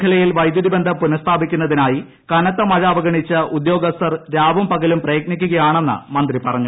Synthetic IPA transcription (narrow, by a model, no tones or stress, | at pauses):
kʰɐlɐjilʋɐjd̪juðibend̪ʱɐpunɐst̪ʰaːbikʲːunːɐðinaːji | kɐnɐt̪ːɐmɐɻɐːʋɐɡɐɳit͡ɕːɨʔud̪jo̞ːɡɐst̪ɐrɾaːbɐmpɐɣɐlumprɐjɡnikʲːuɣɐjaːɳe̞nːɨ̰mɐnd̪ripɐrɐɲːu